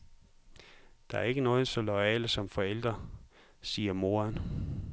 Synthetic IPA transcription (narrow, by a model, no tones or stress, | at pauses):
d̥ɑ̈æɐe̝ɡ̥ənɔːð̩ˠsɒ̽lɒɛ̰ːləsɒ̽mfɒ̽el̰d̥ʁɐ | siːɐmo̝ːɐn